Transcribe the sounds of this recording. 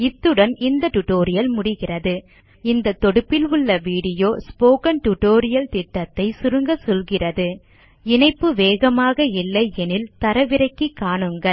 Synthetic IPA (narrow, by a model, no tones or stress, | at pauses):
ɪt̪ːɯɽɐnɪnd̪ɐʈʊʈoːɾɪjɐlmʊɽɪɣɪrɐðɯ | ɪnd̪ɐt̪ːɔɽɯpːɪlʊɭːɐʋiːɽɪjoːspoːkɐnʈʊʈoːɾɪjɐlt̪ɪʈːɐt̪ːɐɪsʊɾɯŋɡɐsɔlɣɪrɐðɯ | ɪnɐɪpːɯʋeːɣɐmaːɣɐɪlːɐɛnɪlt̪ɐɾɐʋɪɾɐɪkːikːaːɳɯŋɡɐl